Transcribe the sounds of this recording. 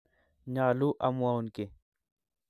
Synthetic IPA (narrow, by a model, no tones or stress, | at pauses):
ɲaːluʔɐmuaunke